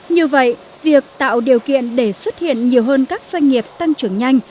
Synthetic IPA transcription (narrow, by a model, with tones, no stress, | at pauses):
ɲɨ˧əvə̰˧˨j | vi˨˩ək̚t̪a̰ː˧˨wɗi˨˩əwkḭ˧˨ənɗe˧˩swə˦˥t̚hḭ˧˨ənɲi˨˩əwɦəː˧nkaː˦˥k̚z̥wa˧jŋ̟ŋi˨˩əp̚t̪a˧ŋt͡ɕɨ˨˩əŋɲa˧jŋ̟